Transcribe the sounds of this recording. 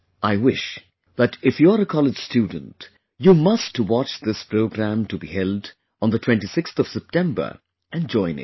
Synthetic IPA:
aɪwɪʃ | ðæʈɪfjuəɾəkʰɔlɪd͡ʒ̥stjuːdⁿə̃n̩t | jumʌstwɑt͡ʃðɪspɾoʊɡɾæ̃mtubḭhɛld̃ | n̩ðətʰwɛ̃ntisɪkst̪ɔv̥sɛp̚tʰɛ̃mbə̰˞ | ʔæ̃nd͡ʒɔ̃ɪ̃nɪ̰t̚

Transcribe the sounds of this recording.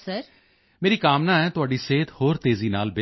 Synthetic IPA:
səɾ | meːɾiːkaːmnãːɛːt̪ʊaːɖiːseːt̪hoːɾt̪eːziːnaːlbe

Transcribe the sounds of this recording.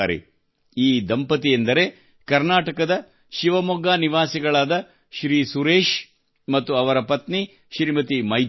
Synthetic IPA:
aːɾḛ | iːd̪ɐmpɐt̪̬iend̪ɐɾe̞ | kɐɾnaːʈɐkɐd̪ɐ | ʃiʋɐmɔɡaːniʋaːsiɡɐɭaːd̪ɐ | ʃɾiːsuɾeːʃ | mɐt̪ːuɐʋɐɾɐpɐt̪ni | ʃɾimɐt̪imɐj

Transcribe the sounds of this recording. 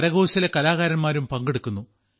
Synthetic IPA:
ɾɐɣo̞ːɕɐlekɐlaːɣaːɾɐnmaːɾumpɐŋɡeɽukːunːu

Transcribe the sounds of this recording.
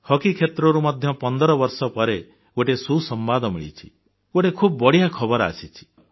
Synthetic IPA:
hɔkikʰet̪ɾɔɾumɔd̪ʱjɔpɔnd̪ɔɾɔbɔɾsɔpɔɾe | oʈesusɔmbad̪ɔmḭɭḭt͡ʃʰi̥ | oʈekʰubɔbɔɽijakʰɔbɔɾa̰sit͡ʃʰi̥

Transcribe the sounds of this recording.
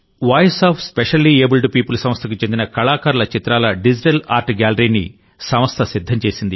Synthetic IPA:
ʋaːjɐsaːpʰspeʂɐlːieːbulɖpiːpulusɐmɐst̪ʰɐkut͡ʃend̪inɐkɐɭaːkaːɾulɐt͡ʃit̪ɾaːlɐɖid͡ʒiʈɐlaːɾʈɡaːlɐɾinḭ | sɐmɐst̪ʰɐsid̪ʱːɐɲt͡ʃe̞ːsind̪i

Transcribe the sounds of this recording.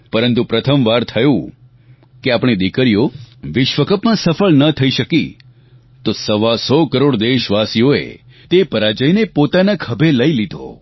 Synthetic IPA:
pəɾənt̪upɾət̪ʰəmʋaɾt̪ʰəjũ | keapɳ̃id̪ikəɾijoʋɪʃʋəkəpmãsəfəɭnət̪ʰəiʃəkḭ | t̪osəʋasɔkəɾoɽd̪eʃʋasijoḛ | t̪epəɾad͡ʒəjnepot̪anakʰəbʱeləilid̪ʱo̰

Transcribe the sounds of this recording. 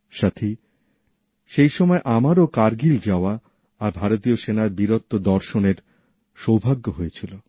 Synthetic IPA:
ʃat̪ʰi | ʃejʃɔmɔeʔamaɾokaɾɡild͡ʑaoaː | ɾbʱaɾot̪ioʃenaɾbiɾot̪ːod̪ɔɾʃoneɾ | ʃowbʱaɡːoɦojet͡ɕʰilo

